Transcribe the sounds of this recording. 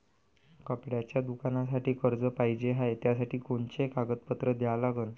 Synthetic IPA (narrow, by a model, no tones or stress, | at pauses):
kapɽjat͡ɕjad̪ukanasaʈiːkəɾd͡zəpaɦid͡ʑeɦajt̪jasaʈiːkoɳt͡ɕekaɡət̪̚pət̪ɾəd̪jalaɡən